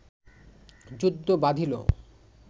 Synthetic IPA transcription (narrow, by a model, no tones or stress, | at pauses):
d͡ʑud̪ʱːobad̪ʱilo̰